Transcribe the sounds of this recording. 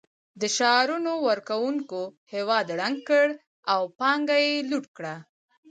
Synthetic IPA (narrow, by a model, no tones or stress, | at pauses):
d̪əʃɑɾunowəɾkawuŋkohewɑd̪ɽaŋɡ̚kəɽ | awpɑŋɡajeluʈkɽa